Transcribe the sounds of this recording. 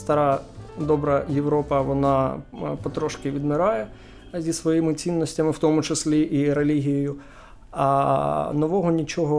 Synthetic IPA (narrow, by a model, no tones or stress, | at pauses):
st̪ɐɾɑd̪ɔbɾɐjeʋɾɔpɐʋɔnɑpɔt̪ɾɔʃkɪʋʲid̪mɪɾɑjɛ | zʲisʋɔjimɪt͡sʲinːɔsʲtʲɐmɪwt̪ɔmʊt͡ʃesʲlʲiʔiɾelʲiɦʲijɔjʊ | nɔʋɔɦɔnʲit͡ʃɔɦɔ